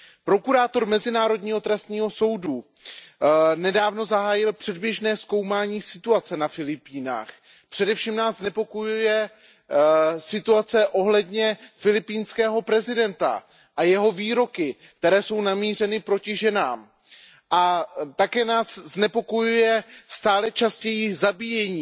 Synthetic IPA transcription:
pɾo̞kuɾaːt̪o̞ɾmɛzɪnaːɾodɲiːɦo̞t̪ɾɛst̪ɲiːɦo̞so̞wdu | nɛdaːvno̞zaɦaːjɪlpr̝̥ɛdbjɛʒnɛːsko̞wmaːɲiːsɪt̪uat͡sɛnafɪlɪpiːna̰ːx | pr̝̥ɛdɛfʃiːmnaːzznɛpo̞kojujɛ | sɪt̪uat͡sɛʔo̞ɦlɛdɲɛfɪlɪpiːnskɛːɦo̞pɾɛzɪdɛnt̪a̰ | ʔajɛɦo̞viːɾo̞kɪk̚t̪ɛɾɛːso̞wnamiːr̝ɛnɪpɾo̞cɪʒɛnaːm | ʔat̪akɛːnaːsznɛpo̞ko̞jujɛst̪aːlɛt͡ʃascɛjizabiːjɛɲiː

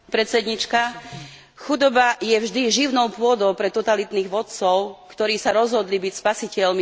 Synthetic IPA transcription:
pɾɛt̪t͡sɛd̪ɲit͡ʃka | xud̪ɔbajɛvʒd̪iʒiʊnɔʊpʊɔd̪ɔʊpɾɛt̪ɔt̪alit̪niːɣʋɔt̪t͡sɔʊkt̪ɔɾiːsaɾɔzɦɔd̪libicspasicɛlmi

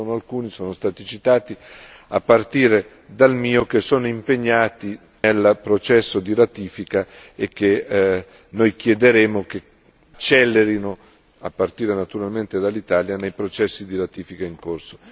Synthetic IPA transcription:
oːnoalkuːnisoːnost̪aːt̪it͡ʃit̪aːt̪i | a̰pːart̪iːɾe | d̪almiːokesoːnoimpeɲːaːt̪i | nelpɾot͡ʃɛsːod̪iɾat̪iːfikaek̟ːe | nojk̟jɛd̪eɾeːmok̟e | t͡ʃɛlːeɾino | apːart̪iːɾenat̪uɾalment̪ed̪alːit̪aːljanejpɾot͡ʃɛsːid̪iɾat̪iːfikaiŋkorso̥

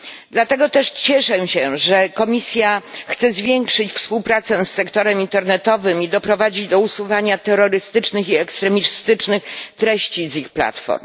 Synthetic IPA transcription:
d̪lat̪ɛɡɔt̪ɛʂt͡ɕɛʂɛɕɛ̃ʐɛkɔmʲisʲjaxt̪sɛzvʲjɛŋkʂɘt͡ɕfspuwpɾat̪sɛsːɛkt̪ɔɾɛmint̪ɛɾnɛt̪ɔvɘmid̪ɔpɾɔvad͡ʑid͡ʑd̪ɔusuvaɲat̪ɛɾɔɾɘst̪ɘt͡ʂnɘxiɛkst̪ɾɛmʲist̪ɘt͡ʂnɘxt̪ɾɛɕt͡ɕizixpla̰t̪fɔ̰ɾm

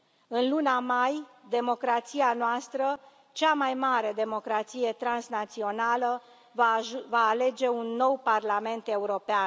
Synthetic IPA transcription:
ɨnlunamajd̪e̞mo̞kɾat̪sianoast̪ɾə | t͡ʃamajmaɾe̞d̪e̞mo̞kɾat̪sije̞t̪ɾansnat̪sio̞nalə | vaːle̞d͡ʒe̞unːo̞wparlame̞nt̪e̞uɾo̞pean

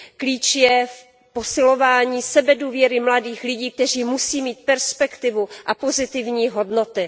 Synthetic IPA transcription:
kliːt͡ʃjɛf | po̞sɪlo̞vaːɲiːsɛbɛduːvjɛɾɪmladiːxlɪɟiːk̚t̪ɛr̝iːmusiːmiːt̪̚pɛɾspɛkt̪ɪvuʔapo̞zɪt̪ɪvɲiːɦo̞dno̞t̪ɪ

